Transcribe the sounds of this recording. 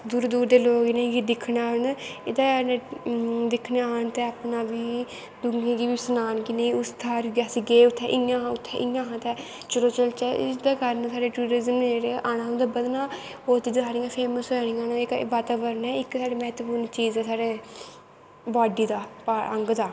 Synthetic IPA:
d̪uːɾd̪uːɾd̪eːloːɡneĩɡiːd̪ɪkʰːnaːnɪd̪aːnẽːd̪ɪkʰːneːnt̪ɛːapnaːʋiː | d̪ʊŋẽːɡiːʋiːsənaːnkiːneĩʊst̪ʰaːɾɡasiːɡeːʊt̪ʰːɛːʔɪjãːʊt̪ʰːɛʔɪjãːɦãːt̪ɛː | t͡ʃəɾoːt͡ʃəlt͡ʃɛːɪd̪aːkəɾnsʰaːɽeːʈuːɾɪzəmeɾeːʔaːnãːd̪eːbəd̪nãː | oːt̪iːd̪ʰaːniːãːpʰeːməsɦɛniːãːnːɪkʋaːt̪aːbəɾnɛːɪksaːɽeːmɛɦət̪əpuːɾnt͡ʃiːzɛːsaːɽeː | baːɖiːd̪aːpaːəŋɡd̪aː

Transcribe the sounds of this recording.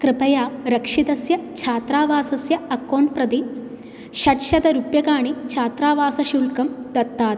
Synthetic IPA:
kɾɨpɐjaːɾɐkʂit̪ɐsjɐt͡ʃʰaːt̪ɾaːʋaːsɐsjɐɐkːoːɳɖ̚pɾɐd̪i | ʃɐʈʃɐd̪ɐɾupjɐkaːɳit͡ʃʰaːt̪ɾaːʋaːsɐʃuːlkɐmd̪ɐt̪ːaːt̪

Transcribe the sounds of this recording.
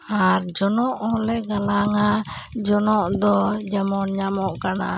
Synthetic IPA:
aɾd͡ʒɔnɔʔɔlɛɡalaŋa | d͡ʒɔnɔʔd̪ɔd͡ʒamɔnɲamɔʔkana̰

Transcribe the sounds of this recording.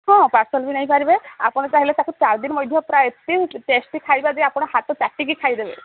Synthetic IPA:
ɦɔ̃paɾsɔlbʱinaĩpaɾibea̰pɔɽ̃et͡ʃaɦilet̪akut͡ʃaɾd̪inmɔjd̪ʱjɔpɾaet̪iʈesʈikʰajbadeapɔɽ̃ɔhat̪ɔt͡ʃaʈːiɡikʰajd̪ebe

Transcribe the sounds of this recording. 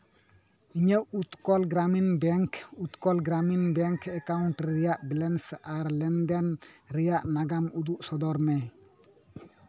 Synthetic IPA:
iɲeʔut̪kɔlɡɾaminbɛŋkut̪kɔlɡɾaminbɛŋkʰɛkaunʈɾijaʔbilɛnsaɾlɛndɛnɾijaʔnaɡamuduʔsɔdɔɾmɛ

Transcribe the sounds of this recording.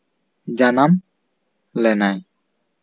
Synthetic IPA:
d͡ʒanam | lɛnaj

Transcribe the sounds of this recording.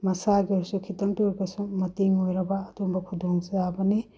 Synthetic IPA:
mɐsaɡioɾsukʰitɐŋtuɾbɐsumɐtiŋojɾɐbɐːtumbɐkʰudʱoŋzabɐni

